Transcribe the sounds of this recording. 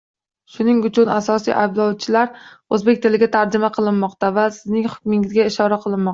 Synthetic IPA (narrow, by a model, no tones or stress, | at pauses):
ʃʊnɪŋʊt͡ʃʰʊnasɒsḭjʔajblˠɒwt͡ʃʰɪlaɾ | ɵzbe̞k̚ʲt̪ʰɪlɪɡʲat̪ʰaɾd͡ʒɪmaqʰɨlˠɪnmɒqt̪avasɪznɪŋhʊ̥k̚ʲmɪŋɪzɡʲaɪʃɒɾaqʰɨlˠɪnmːɒq̪̚